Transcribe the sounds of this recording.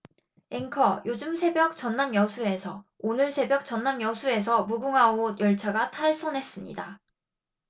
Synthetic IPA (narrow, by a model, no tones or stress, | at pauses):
eŋkʰʌjod͡ʑɯmsʰe̞bjʌk̚t͡ɕʌnːamjʌsʰue̞sʰʌonɯɭsʰe̞bjʌk̚t͡ɕʌnːamjʌsʰue̞s̬ʰʌmuɡuŋɦaojʌɭt͡ɕʰaɡatʰaɭs͈ʌnɦe̞s͈ɯmɲḭda